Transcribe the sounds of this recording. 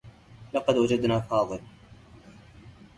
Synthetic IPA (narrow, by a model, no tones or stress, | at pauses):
lɑqɑd̪wad͡ʒad̪naːfɑːðˤɨl